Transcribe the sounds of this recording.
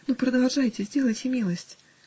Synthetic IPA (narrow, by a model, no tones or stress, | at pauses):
nupɾɐd̪alˠʐajt͡sʲezʲd͡zʲɛlˠət͡sʲimʲilˠəsʲt͡sʲ